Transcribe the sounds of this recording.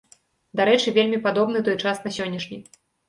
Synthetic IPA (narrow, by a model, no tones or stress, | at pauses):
d̪aɾɛt͡ʂɨvʲelʲmʲipad̪ɔbnɨt̪ɔjt͡ʂasnasʲɔnʲːɐʂnʲi